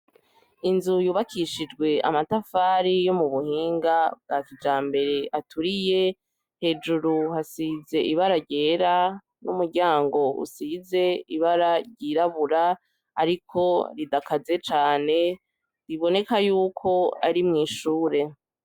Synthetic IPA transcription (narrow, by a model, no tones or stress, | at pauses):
inzujuːβakʰiʃid͡ʒɡwe̞a̰matafaːɾijo̞muβuhiːŋɡab̚ɡaːkid͡ʒaːmbe̞ɾe̞ʔatʰuɾije̞ | he̞ːd͡ʒuɾuɦasize̞ʔiβaɾaɾɟe̞ːɾa | numuɾɟaːŋɡo̞ʔṵsize̞iβaɾaɾɟiɾaβuɾaː | ɾikʰo̞ɾidakaze̞t͡ʃaːne̞ | ɾiβo̞ne̞kajuːkʰo̞aɾimŋiːʃuːɾe̞